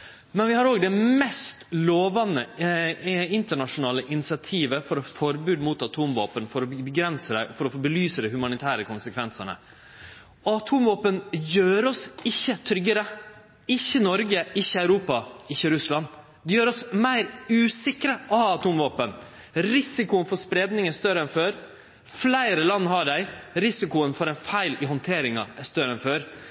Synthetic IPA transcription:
mɛnʋɪhɑɾoːɡd̪ɛmɛst̪loːʋɑnə | ɪnt̪əɳɑʂʊnɑːləʔɪnɪsɪɑt̪ʰiːʋəfɔɾɔfɔɾbʉːd̪muːt̪ɑt̪ʰuːmʋo̰ːpənfɔɾɔbəɡɾɛnsəæfɔɾɔfoːbəlyːsəd̪ɛhʉmɑnɪt̪ʰæːɾəkʊnsəkʰʋɛnsəɳə̰ | ɔɑt̪ʰuːmʋoːpənjøːɾɔsɪçːət̪ʰɾʏɡːəɾə | ɪçːənɔɾɡəɪçːəɑʉɾuːpɑɪçːəɾʉslɑn | d̪ɛjøːɾɔsmæɪɾʉːsɪkɾəʔɔhɑːɑt̪ʰuːmʋoːpən | ɾɪsɪkʊənfɔspɾeːd̪nɪŋəst̪œɾəɛnføːɾ | flæɪɾəlɑnːhɑɖæɪɾɪsɪkʊənfɔɾɛnfæɪlɪhɔnt̪ʰeːɾɪŋɑæst̪œɾəɛnføːɾ

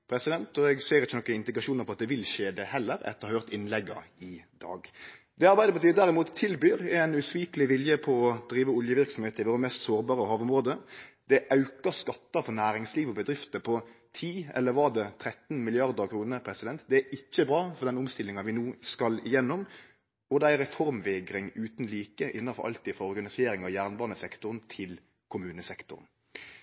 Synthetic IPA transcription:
pʰɾɛsɪd̪ɛnt̪ɔɛɡseːɾɪt͡ʃːənɔkːənɪnd̪ɪkɾɑʂuːnəɾpʰɔɑt̪̚d̪ɛʋɪlʃeːd̪ɛhɛlːəɾɛ̰t̪ːəɑhøːɾt̪ɪnlɛɡːɑ̰ɪd̪̥ɑ̰ːɡ | d̪ɛɑɾbæɪd̪əbət̪ʰyːd̪æɾɪmuːt̪ʰːɪlbyːɾɛnʉsʋiːklɪʋɪljəpʰɔɔd̪ɾiːʋəʊljəʋɪɾksɔm̩heːt̪əɪʋoːɾəmɛst̪soːɾbɑːɾəɦɑːʋʊmɾoːd̪əd̪̥ɛʔɑʉkəskɑt̪ːəfɔnæːɾɪŋsliːʋɔbəd̪ɾɪft̪əpʰɔt̪ʰiːɛ̰lːəɾʋɑʁd̪ɛt̪ʰɾɛt̪n̩mɪlɪɑɾd̪əɾkʰɾuːnəɾpʰɾɛsɪd̪ɛnt̪d̪ɛæɪçːəbɾɑːfɔɾd̪ɛnʊmst̪ɪlːɪŋɑʋɪnuːskɑlɪjɛnːʊm | ɔd̪æɾɛfɔɾmʋeɡɾɪŋʉːt̪nliːkəʔɪnːɑfɔɾʔɑ̰lt̪iːd̪fɔɾɔɾɡɑnɪseːɾɪŋɑjæːʁnbɑːʁnəsɛkt̪ʊɾnt̪ʰɪl | kʰʊmʉːnəsɛkt̪ʊ̰ɾn

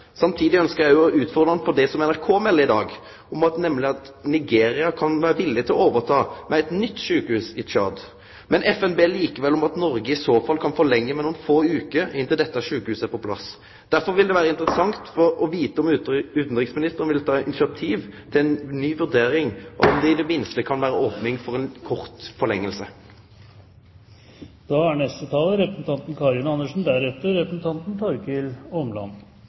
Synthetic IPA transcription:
sɑmt̪ʰiːd̪ɪœnskəʁjæɪjʊɔʔʉːt̪fɔʁd̪ʁɑnəfɔɖ̪ɛsɔmɛnæɾkʰoːmɛlːəɪd̪ɑːɡ | ɔmɑt̪nɛmlɪɑt̪ | nɪɡeːɾɪɑkʰɑnʋæːɾəʋɪlːɪt̪ʰɪlɔoːʋəɾt̪ʰɑːmɛɛɪt̪nʏt̪ːʃʉːkəhʉːsɪt͡ʃʰɑ̰ːd̪ | mɛnɛfɛnbeːliːkəʋɛlɔmɑt̪nɔɾɡəɪsoːfɑlːkʰɑnfɔlɛŋːəmɛnʊːnfoːʉːkəɪnt̪ɪld̪ɛt̪ːəʃʉːkəhʉːsəpʰɔpʰlɑ̰s | d̪̥æɾfɔɾʋɪld̪ɛʋæːɾəɪnt̪əɾəsɑŋt̪fɔɾɔʋiːt̪əɔmʉːt̪n̩ɾɪksmɪnɪst̪ənʋɪlt̪ʰɑːɪnɪsɪɑt̪ʰiːʋt̪ʰɪlɛnnyːʋʉʁd̪eːɾɪŋʔɔ̰ɔmd̪ɛɪd̪ɛmɪnst̪əkʰɑnʋæːɾəoːpnɪŋfɔʁɛnkʰɔʁt̪fɔʁlɛŋːəlsə | d̪̥ɑːæɳɛst̪ət̪ʰɑːləɾɛpɾəsn̩t̪ʰɑnt̪n̩kʰɑɾɪnɑnːəʂn̩d̪æɾɛt̪əɾɾɛpɾəsn̩t̪ʰɑnt̪n̩t̪ʰɔɾkɪlɔmlɑ̰nː

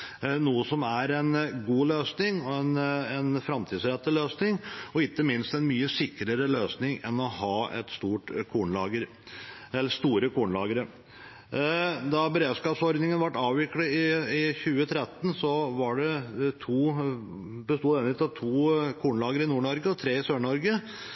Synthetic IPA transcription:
nuːəsɔmæɾɛnɡuːløːsnɪŋɔɛnɛnfɾɑmt̪ʰiːsɾɛt̪ːəløːsnɪŋɔɪkːəmɪnst̪ɛnmyːəsɪkːɾəɾəløːsnɪŋɛnɔhɑːɛ̰t̪st̪uːʈkʰuːɳlɑ̰ːɡəɾ | ɛlːəst̪uːɾəkʰuːɳəlɑːɡəɾə | d̪ɑbəɾeːd̪skɑːpsɔɾd̪nɪŋənʋɑʈːɑːʋʋɪkləɪɪçʉːət̪ʰɾɛt̪ːən̩sɔʋɑɖɛt̪ʰuː | bəst̪uːd̪eːnlɪkt̪ɑt̪ʰuːkʰuːɳəlɑːɡəɾɪnuːɳɔɾɡəɔt̪ʰɾeːɪsøːɳɔɾɡə

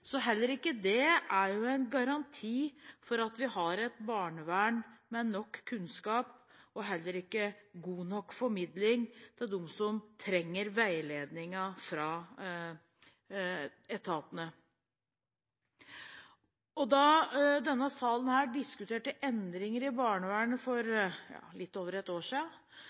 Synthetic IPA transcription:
sɔɦɛlːəɾɪkːəd̪ɛæɾjʊɛɪnɡɑɾɑnt̪ʰiːfɔɾɑt̪ʋɪhɑɾɛt̪bɑːɳəʋæːɳmɛnːɔkʰːʉnskɑːpɔɦɛlːəɾɪkːəɡuːnɔkːfɔɾmɪd̪lɪŋd̪̥ʰɛd̪ɔmsɔmt̪ʰɾɛŋːəɾʋæɪleːd̪nɪŋɑfɾɑː | ɛt̪ʰɑːp̪ənə | ɔd̪ɑd̪ɛnːəsɑːlən̩hæːɖɪskʉt̪ʰeːʈəʔɛnd̪ɾɪŋəɾɪbɑːɳəʋæːɳəfɔɾjɑ̰ːlɪt̪ːoːʋəɾɛt̪ːoːʂɪɑ

